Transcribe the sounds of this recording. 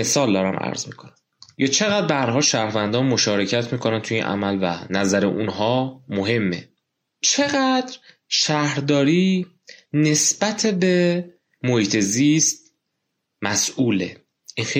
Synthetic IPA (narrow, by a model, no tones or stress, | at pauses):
mesɒːld̪ɒːɾæ̰mʔæ̰ɾzmiːkʰonæm | jɒːt͡ʃʰe̞ɣæd̪ɾ̚beæɾɦɒːlʃæɾvænd̪ɒːnmo̞ʃɒːɾe̞cʰæt̪ʰmiːkʰo̞nænt̪ʰujiːnʔæ̰mælvæ̰næzæɾḛʔunɦɒːmoɦe̞mːe̞̰ | t͡ʃʰe̞ɣæd̪ɾʃæhɾd̪ɒːɾiː | ne̞sb̥æt̪ʰebe | mohiːt̪ʰe̞ziːst̪̚ | mæsʔuːle̞̰ | ʔinxe